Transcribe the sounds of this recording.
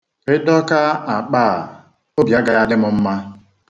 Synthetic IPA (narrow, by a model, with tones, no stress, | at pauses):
ɪ˦dɔ˦ka˦a˨k͡paː˦˨ | o˦bja˦ɡa˨ja˦dɪ˦mʊ˨m̩˦ma˦